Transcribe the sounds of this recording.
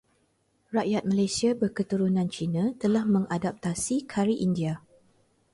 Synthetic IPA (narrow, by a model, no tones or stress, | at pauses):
raʔjat̪̚mãlajsiabərkət̪uɾunãnt͡ʃinãt̪əlahmə̃ŋadap̚t̪asikʰaɾiʔindia